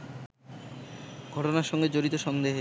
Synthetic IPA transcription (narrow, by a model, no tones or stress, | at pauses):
ɡʱɔʈonaɾʃɔŋɡed͡ʑoɾit̪oʃɔnd̪eɦ